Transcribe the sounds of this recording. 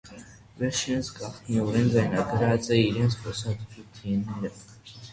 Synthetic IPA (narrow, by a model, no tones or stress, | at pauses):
vɛɾʃʰɛnt͡sʰɡɑχt̪ʰniɔɾɛnd͡zɑjnɑɡəɾɑt͡sʼɛiɾɛnt͡sʰχɔsɑd̪t͡sʰut̪ʰiɛnːɛɾə